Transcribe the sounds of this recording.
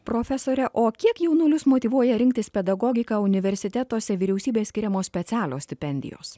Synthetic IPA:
pɾoːfʲɛsoːɾʲɛʔoːkʲiɛkjɛʊnʊlʲʊsmoːt̪ʲiːʋuɔjɛɾʲɪŋʲkt̪ʲɪspʲɛd̪ɐɡɔːɡʲɪkɑʊnʲɪʋʲɛɾʲsʲɪt̪ʲɛt̪oːsʲɛʋʲiɾʲɛʊsʲiːbʲeːsʲkʲɪɾʲɛmoːsʲpʲɛt̪sʲæːlʲoːsʲt̪ʲɪpʲɛnʲd̪ʲɪ̰jo̰ːs

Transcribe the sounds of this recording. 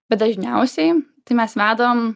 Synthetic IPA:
bʲɛt̪̚d̪ɐʒʲnʲɛʊsʲɛɪt̪ɐɪmʲɛsʋʲæːd̪ɐooːm

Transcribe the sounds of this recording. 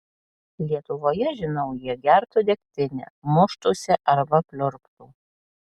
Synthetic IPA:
lʲiɛt̪ʊʋoːjɛʒʲɪnɒʊjiɛɡʲæɾt̪ʊd̪ʲɛk̚ʲt̪ʲɪnʲɛ̰mʊʃt̪oːsʲɪʔɐɾbɐpʲlʲʊɾpt̪uː

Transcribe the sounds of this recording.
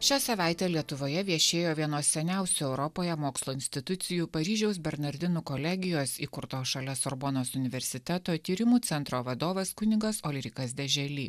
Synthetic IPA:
ʃʲæːsɐʋɑˑɪt̪ʲɛːlʲiɛt̪ʊʋoːjɛʋʲiɛʃʲeːjoːʋʲiɛnoːsʲɛnʲɛˑʊsʲuɛʊɾɔpoːjɛmoːkslˠoːɪnʲsʲt̪ʲɪt̪ʊt̪sʲɪjuːpɐɾʲiːʒʲɛʊsbʲɛɾnɐɾʲd̪ʲɪnuːkɔlʲɛɡʲɪjoːsḭːkʊɾt̪oːʃɐlʲɛsɔɾboːnoːsʊnʲɪʋʲɛɾʲsʲɪt̪ʲæt̪oːt̪ʲiːɾʲɪmuːt̪sʲɛnt̪ɾoːʋɐd̪oːʋɐskʊnʲɪɡɐsɔlʲɪɾʲɪkɐs̬d̪ʲɛʒʲɛlʲḭː

